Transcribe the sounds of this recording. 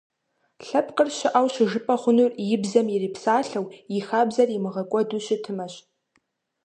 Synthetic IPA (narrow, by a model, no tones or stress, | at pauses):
ɬapʰqʼərʃaʔawʃʒɨpʼaχʷʊnurjɪbzamiripʰsaːɬawixabzarimɨʁɐkʷʼɔduʃʷɪtʰɨmaʃ